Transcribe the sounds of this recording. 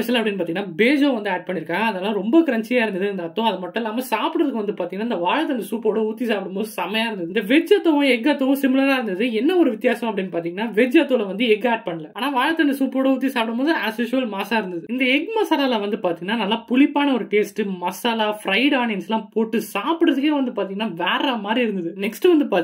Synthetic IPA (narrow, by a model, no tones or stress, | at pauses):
ɛʃɐlaɐpːɐɽɪnːp̬aɾt̪iːŋɐnːaːbeːd͡ʒoːʋɐnd̪ɯaːɖ̚pɐɳːɪɾɯkːãːɡɐɐðɛlːãːɾɔmbɐkɪɾɐɲt͡ʃɪjaːɪɾɯnd̪ɐðɯɐnd̪ɐːt̪ːɔ̃ɐðɯmɐʈːɛlːaːmɐsaːpɽɐðɯkːɯʋɐnd̪ɯpaːɾiŋɐnaːɪnd̪ɐʋaːɻɐt̪ːɐnd̪ɐsuːpoːɽɐuːt̪ːisaːpɽɯmboːðɯsɐmɐjaːɪɾɯnd̪ðɯɪnd̪ɐʋɛd͡ʒɐt̪ːɐʋʊ̃ɛɡɐt̪ːɐʋʊ̃sɪmɪlɐɾaːɪɾɯnd̪ɐðɯɛnːɐɔɾɯʋɪt̪ːɪjaːsɐmɐpːɐɽɪnːpaːɾt̪iːŋɡɐnːaːʋɛd͡ʒɐt̪ːolɐʋɐnd̪ɯɛɡaːʈ̚pɐɳːɐlɐaːnaːʋaːɻɐt̪ːɐndɐsuːpoːɽɐuːt̪ːisaːpɐɽɐmoːðãɐseːʂɐlmaːsaːɪɾɯnd̪ɐðɯɪnd̪ɐɛɡmɐsaɾaːlãʋɐnd̪ɯpaːɾt̪̬iːŋɡɐnːaːnɐlːãːpʊlɪpːaːnɐɔɾɯʈeːsʈɯmɐsaːlaːfɾɐɪɽaːɳɪjɐnsɛlːãːpoːʈːɯsaːpɯɽɾɐðɯkːẽːʋɐnd̪ɯpaːɾt̪̬iːŋɡɐnːaːʋɛːɾamaːd̪ɾiɪɾɯnd̪ɐðɯnɛksʈɯʋɐnd̪ɯpaː